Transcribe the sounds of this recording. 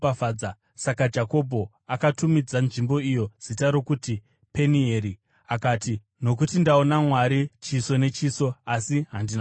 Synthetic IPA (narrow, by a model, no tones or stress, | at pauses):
afaːa | sakad͡ʒako̞bʱo̞ | akatumid͡zanʐimbo̞ijo̞z̥itaɾo̞kuti | pe̞nieɾi | akaːti | no̞k̬utindaonamwaɾit͡ʃiso̞ne̞t͡ʃiːso̞asiɦandina